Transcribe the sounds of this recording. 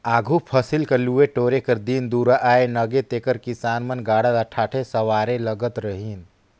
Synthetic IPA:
aːɡʱupʰəsilkəɾlueʈoːɾekəɾd̪ind̪uɾaʔaenəɡet̪ekəɾkisaːnmənɡaːɽəlaʈʰaːʈʰesəʋaːɾeləɡət̪ɾəɦin

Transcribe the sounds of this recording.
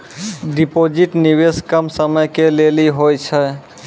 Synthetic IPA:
ɖipod͡ʒiʈniweskəmsəməjkeleliɦojt͡ʃʰə

